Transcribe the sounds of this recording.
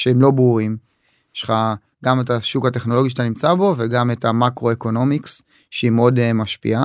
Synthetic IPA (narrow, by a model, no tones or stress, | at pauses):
ʃeemlo̞bʁuʁim | ʃχa | ɡame̞taʃukhate̞χnolo̞ɡiʃet̪animt͡sabo̞ve̞ɡame̞tamakʁo̞e̞ko̞no̞miks | ʃeimeo̞demaʃpḭa